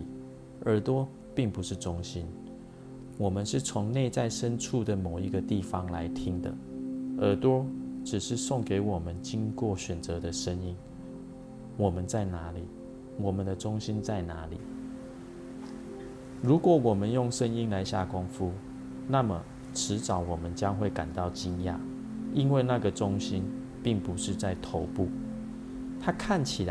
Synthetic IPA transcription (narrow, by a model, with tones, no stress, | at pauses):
ʔə˞˧˥t̪wɔ˦ | pi˥˩ŋpu˧˦ʂɻ̩˥˩ʈ͡ʂʊ˥ŋɕi˦n | wɔ˨˩mə˨˦nʂɻ̩˥˩t͡sʰʊ˧˥ŋne˥˧ɪt͡sa˥˩ɪʂə˦nʈ͡ʂʰu˥˩d̪ə˩mo˨˩ʊi˧˥ɡə˧t̪i˥˩fɑ˦ŋla˧˦ɪt̪ʰi˥ŋd̪ə̰˨ə˞˧˥t̪wɔ˥ʈ͡ʂɻ̩˨˩ʂɻ̩˥˧sʊ˥˩ŋke˧˥ɪwɔ˨˩mə˦nt͡ɕi˦ŋkwɔ˥˩ɕɥɛ˨˩nt͡sɤ˧˦d̪ə˧ʂə˦ŋi˥n | wɔ˨˩mə˦nt͡sa˥˩ɪna˧˥li˨˩˦ | wɔ˨˩mə˨˦nd̪ə˧ʈ͡ʂʊ˦ŋɕi˦nt͡sa˥˩ɪna˧˦li˨˩˦ | ɻu˨˥kwɔ˨˦wɔ˨˩mə˦njʊ˥˨ŋʂə˦ni˦nla˧˦ɪɕja˥˨kʊ˦ŋfu˦ | na˥˨mə˨˩ | ʈ͡ʂʰɻ̩˧˦t͡sɑ˨˦ʊwɔ˨˩mə˨˦nt͡ɕja˦ŋxwe˥˩ɪka˨˩nt̪ɑ˥˨˩ʊt͡ɕi˥˧nja̰˥˨ | i˦nwe˥˧na˥˨ɡə˨ʈ͡ʂʊ˦ŋɕi˦n | pi˥˩ŋpu˨˦ʂɻ̩˥˧t͡sa˥˩ɪt̪ʰo˧˦ʊpu˥˩ | t̪ʰa˦kʰa˥˨nt͡ɕʰi˨a˦